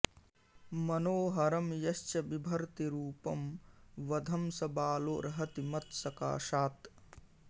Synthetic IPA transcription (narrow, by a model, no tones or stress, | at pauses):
mɐnoːɦɐɾɐmjɐʃt͡ʃɐbibʱɐɾt̪iɾuːpɐmʋɐd̪ʱɐmsɐbaːloːɾʔɐɦɐt̪imɐt̪sɐka̰ːʃaːt̪